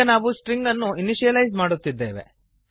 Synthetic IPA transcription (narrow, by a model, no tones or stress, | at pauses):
ɐnaːʋusʈɾiŋɡɐnːuiniʃijɐlɐjzmaːɽut̪ːid̪ːe̞ːʋe̞̰